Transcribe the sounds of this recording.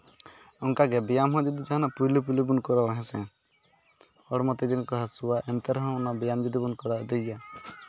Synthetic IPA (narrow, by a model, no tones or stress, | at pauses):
ɔŋkaɡɛbɛjamɦɔ̃d͡ʒɔd̪id͡ʒaɦanapujlup̬ulubunkɔɾawaɦɛ̃sɛ̃ | ɔɽmɔt̪ɛd͡ʒɛŋkɔɦasuwaʔɛnt̪ɛɾɦɔ̃ɔnabɛjamd͡ʒɔd̪ibunkɔɾad̪ɛja